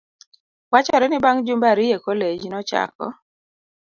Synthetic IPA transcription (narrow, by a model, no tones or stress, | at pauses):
wat͡ʃɔɾɛnɪbaŋd͡ʒumbaɾijekoled͡ʒinɔt͡ʃa̰kɔ̰